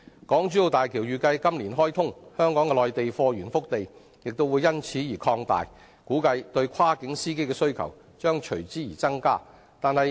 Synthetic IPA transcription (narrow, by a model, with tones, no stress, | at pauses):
kɔː˨˥ŋt͡ʃyː˨˥jo˨˧wt̪aː˨jkʰiː˨˩wjyː˨kɐ˧jkɐ˥mliː˨˩nɦɔː˥jt̪ʰʊ˥ŋhœː˥ŋkɔː˨˥ŋɛ˧lɔː˨˧jt̪e˨jfɔː˧ɥyː˨˩nfʊ˥k̚t̪e˨j | jɪ˨k̚t̪o˥wu˨˧jɐ˥nt͡sʰiː˨˥jiː˨˩kʰɔː˧ŋt̪a̰ː˨j | kuː˨˥kɐ˧jt̪ɵ˧ɥkʰwaː˥kɪ˨˥ŋsiː˥ke˥jkɛː˧sɵ˥ɥkʰɐ̰˨˩w | t͡ʃœː˥ŋt͡ʃʰɵ˨˩ɥt͡siː˨˥jiː˨˩t͡sɐ˥ŋkaː˥ | t̪aː˨nhɐ˨j